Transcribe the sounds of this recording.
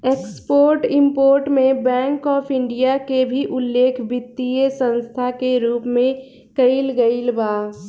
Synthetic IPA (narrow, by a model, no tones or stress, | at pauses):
ekspoːɾʈɪ̃mpoːɾʈmẽbɛ̃ːŋkɔːpʰɪ̃ɳɖijakebʱiʔʊlːeːkʰbɪt̪ːiesə̃nst̪ʰakeɾuːpmẽ | kəɪlɡəɪlbaː